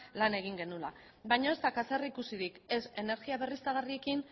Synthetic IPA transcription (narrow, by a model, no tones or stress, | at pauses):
lane̞ɣ̞iŋɡe̞nula̰ | bajɲoest̪akaserikusiðike̞se̞ne̞ɾɣiaβ̞e̞rist̪aɣ̞arie̞kin